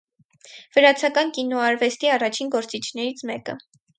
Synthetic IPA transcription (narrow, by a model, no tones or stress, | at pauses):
vəɾɑt͡sʰɑkɑnkinɔɑɾvɛst̪iɑrɑt͡ʃʰinɡɔɾt͡sit͡ʃʰnɛɾit͡sʰmɛkə̰